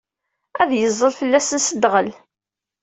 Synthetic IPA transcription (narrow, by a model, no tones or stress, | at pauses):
æðjəzˤːəlfəlːæsənsəd̪ʁəl